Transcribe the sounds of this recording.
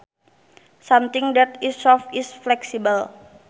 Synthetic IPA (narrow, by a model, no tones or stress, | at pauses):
samt̪ɪŋd̪ɛt̪ɪsɔfɪsflɛksibəl